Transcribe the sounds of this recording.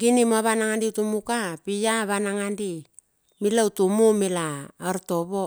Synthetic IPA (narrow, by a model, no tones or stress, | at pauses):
ɡinimoaβanaŋandiutumukapijaβanaŋandi | milautumumilaːɾto̞βo̞